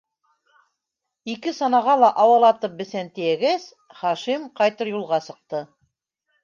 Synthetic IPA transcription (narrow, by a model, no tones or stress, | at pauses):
ikɘsɑnɑʁɑlˠɑʔɑwɤlˠɑt̪ɤp̚bɘ̆θænt̪ɘ̆jæɡæs | χɑʃimqɑjt̪ɤɾjulˠʁɑsɤ̆q̚t̪ɤ